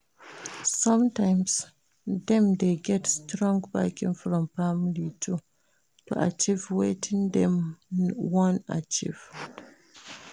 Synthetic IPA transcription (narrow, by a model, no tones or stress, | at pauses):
sãmtãɪms | dɛ̃md̪eɡɛtstɾɔ̃ŋɡbakĩŋfɹɔ̃mpamlitʰu | tṵʔa̰t͡ʃivwetʰĩndɛ̃m | wɔ̃na̰t͡ʃḭv